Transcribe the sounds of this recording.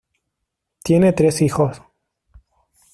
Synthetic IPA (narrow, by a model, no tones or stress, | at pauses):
t̪jenet̪ɾesixos